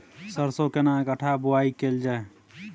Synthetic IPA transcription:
səɾsokenaekəʈʰabuaikeld͡ʒae

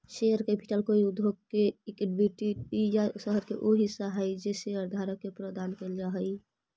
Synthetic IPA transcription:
ʃejəɾkɛpi̥ʈəlkoiud̪ʱoɡ̚keekɖbiʈiʈijasəɦəɾkeʔoɦisaɦəjd͡ʒeseəɾd̪ʱaɾəkːepɾəd̪ankeld͡ʒaɦə

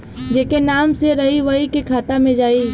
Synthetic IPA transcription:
d͡ʒekenaːmseɾɐɦiʋɐikekʰaːt̪amẽd͡ʒaːiː

